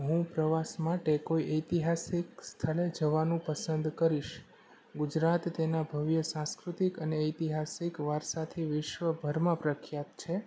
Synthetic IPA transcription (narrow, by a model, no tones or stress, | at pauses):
ɦũpɾəʋasmaʈekoiʔəjt̪iɦasikst̪ʰəled͡ʒəʋanũpəsənd̪kəɾiʃ | ɡud͡ʒɾat̪ːenabʱəʋjəsãskɾut̪ikəneəjt̪iɦasikʋaɾsat̪ʰiʋɪʃʋəbʱəɾmãpɾəkʰjat̪t͡ʃʰe